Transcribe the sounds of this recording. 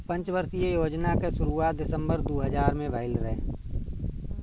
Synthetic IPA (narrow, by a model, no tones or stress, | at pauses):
pə̃nt͡ʃbəɾsijejoːd͡ʒnakeʃʊɾuaːt̪̚d̪ɪsə̃mbəɾd̪oːɦəd͡ʒaːɾmẽbʱəɪlɾɛ̰̃